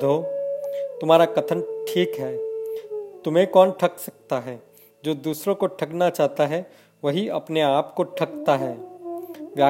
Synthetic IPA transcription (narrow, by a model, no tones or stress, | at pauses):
d̪ʱoː | t̪ʊmɦaːɾakɐt̪ʰənʈʰiːkɦɛː | t̪ʊmẽkɔːnʈʰɐksɐk̚t̪aɦɛː | d͡ʒoːd̪uːsɾõkoʈʰɐknat͡ʃaːɦt̪aɦɛ | ʋɐɦiɐ̰pneaːpkoʈʰɐkt̪aɦɛː | ʋjaː